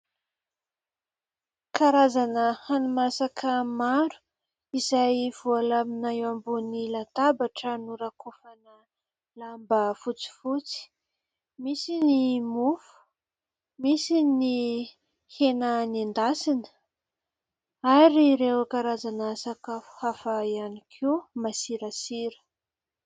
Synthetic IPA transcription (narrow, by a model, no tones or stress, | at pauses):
kaɾazanəhanumasakʰəmaɾu̥ | izajv̥ualaminaewambunilat̪abaʈ͡ʂənuɾakufanə | lambəfut͡si̥fut͡si̥ | misinimufu̥ | misini | henənand̪asinə̥ | aɾiɾewakaɾazanaasakahafaianikʰemasiɾasiɾə̥